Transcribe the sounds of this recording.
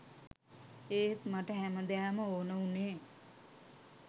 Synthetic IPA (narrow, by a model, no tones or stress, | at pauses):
eːt̪maʈəɦæməd̪eaməoːnəuneː